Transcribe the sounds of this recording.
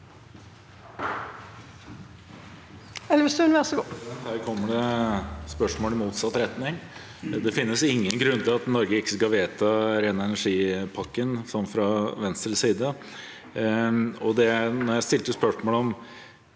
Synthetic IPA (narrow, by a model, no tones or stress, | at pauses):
ɛlːəʋɪsʉnʋɪɔsəɡot̪hæːɾkʰɔmːəɖɛspœʂmoːlɪmuːt̪sɑt̪ːɾɛt̪nɪŋ | d̪ɛfɪnːəsɪŋːənɡɾʉnːt̪ʰɪlɑt̪nɔɾɡəɪkːəskɑʋeːt̪ɑɾeːnəɛnæʂiːpʰɑkːənsɔmfɾɑʋɛnst̪ɾəsiːd̪ə | ɔd̪ɛænɔɾjæɪst̪ɪlt̪əspœʂmoːlɔm